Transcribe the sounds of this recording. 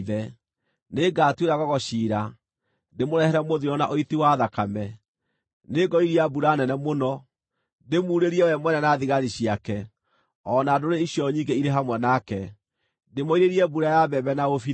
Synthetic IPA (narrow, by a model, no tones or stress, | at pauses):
ðɛ | neɡaːtweɾaɣɔɣɔɕiːɾa | nemoɾɛhɛɾɛmoðiɾɔnaʔoitiwaðakamɛ | neɡɔiɾiabuɾanɛnɛmonɔ | nemuːɾeɾiɛwɛmwɛnɛnaðiɣaɾiɕiakɛ | ɔnadoɾeiɕjɔɲiɡeiɾeɦamwɛnakɛ | demoiɾeɾiɛbuɾajabɛbɛnaofi